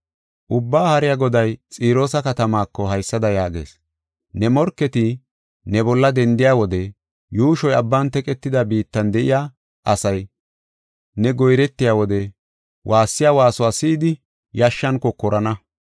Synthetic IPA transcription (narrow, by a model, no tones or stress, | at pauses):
ʔʊbːaːhɐɾɪjaːɡɔd̪ɐjt͡sʼiːɾo̞ːsɐkɐt̪ɐmaːkːɔɦɐjsːɐd̪ɐjaːɡe̞̰ːs | nɛmɔɾkːɛt̪ɪ | nɛbɔlːɐd̪ɛnd̪ɪjaːwɔd̪ɛ | juːʃɔjɐbːant̪ɛkʼɛt̪ːɪd̪ɐbiːt̪ːɐnd̪ɛʔɪjaː | ʔɐsɐj | nɛɡɔjɾɛt̪ːɪjaːwɔd̪ɛ | wʔaːsːɪjaːwaːsʊwaːsiːd̪ɪ | jɐʃːɐnkɔkɔɾʔɐnɐ